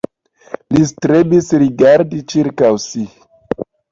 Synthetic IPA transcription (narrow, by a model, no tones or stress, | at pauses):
listɾebisɾiɡaɾdit͡ʃiɾkawsi